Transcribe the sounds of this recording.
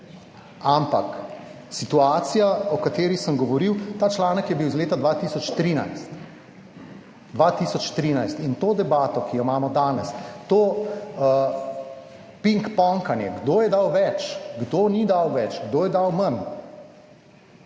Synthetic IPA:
ampa̰k | sit̪uaːt̪sijaɔkat̪eːɾisəmɡɔʋɔɾiwt̪aːt͡ʃlaːnəkjɛbiwzleːt̪ad̪ʋat̪iːsɔt͡ʃt̪ɾiːna̰jst̪ | d̪ʋat̪isɔt͡ʃt̪ɾiːnajst̪int̪oːd̪ɛbaːt̪ɔkijɔmaːmɔd̪aːnɛst̪oːə | piŋkpɔŋkanjɛ̰ɡd̪oːjɛd̪awʋɛt͡ʃɡd̪onid̪awʋɛt͡ʃɡd̪oːjɛd̪awman

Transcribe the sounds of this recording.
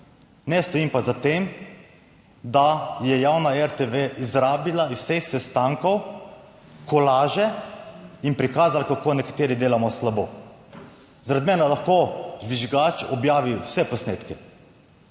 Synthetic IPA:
nɛst̪ɔiːmpazat̪eːm | d̪ajɛjawnaɛɾt̪eʋeʔizɾaːbilaiwsexsɛst̪aːŋkɔw | kɔlaːʒɛ | inpɾikaːzalakakoːnɛkḁt̪eːɾid̪eːlamɔslaboː | zaɾad̪mɛnalaxkod͡ʒʋiʒɡaːt͡ʃɔbjaːʋiwsɛpɔsneːt̪kɛ

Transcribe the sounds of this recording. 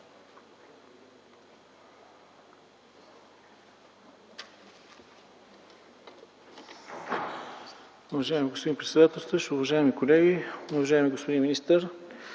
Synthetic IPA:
ʊvɐʒaɛmiɡospod̪inpɾɛt̪sɛd̪at̪ɛlˠst̪əʃʊvɐʒaɛmikolɛɡʲiʊvɐʒaɛmiɡospod̪inminist̪əɾ

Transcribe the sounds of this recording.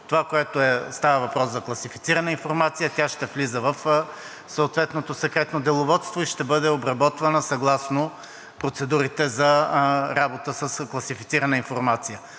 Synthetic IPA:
t̪ovakoɛt̪oɛst̪avəvɐpɾɔszɐklˠɐsifit̪siɾɐnəinfoɾmat̪sijət̪ʲaʃt̪ɛflizəvɐf | sɐot̪vɛt̪not̪osɛkɾɛt̪nod̪ɛlˠʊvɔt̪st̪voiʃt̪ɛbɤd̪ɛobɾɐbɔt̪vɐnəsɐɡlˠasno | pɾot̪sɛd̪uɾit̪ɛzɐɾabot̪əsəsklˠɐsifit̪siɾɐnəinfoɾmat̪sijə

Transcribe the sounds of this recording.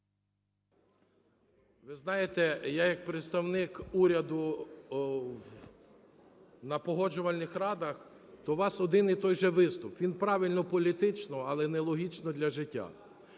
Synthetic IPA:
ʋɪznɑjet̪ɛjajɐk̚pɾɪt̪st̪ɐwnɪkuɾʲɐd̪ʊ | w | nɐpɔɦɔd͡ʒʊʋɐlʲnɪxrɑd̪ɐx | t̪ɔʋɑsɔd̪ɪnit̪ɔjʒɛʋɪst̪ʊpʋʲinpɾɑʋʲilʲnɔpɔlʲit̪ɪt͡ʃnɔɐlˠɛnɛlˠɔɦʲit͡ʃnɔd̪lʲɐʒɪtʲːa̰

